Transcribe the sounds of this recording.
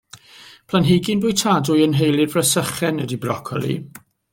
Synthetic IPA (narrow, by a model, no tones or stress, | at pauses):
pʰlˠanɦeɡɪnbʊjtʰadʊjənɦejlˠɪrvrəsəχɛnədibrɔkʰɔ̰lˠḭ